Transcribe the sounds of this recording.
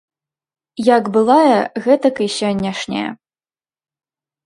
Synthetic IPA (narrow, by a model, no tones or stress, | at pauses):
jaɡbɨlˠajɐɣɛt̪ɐkiɕʲɔnʲːaʂnʲɛ̰jɐ̰